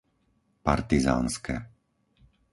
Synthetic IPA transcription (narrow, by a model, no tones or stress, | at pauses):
paɾt̪iza̰ːnskɛ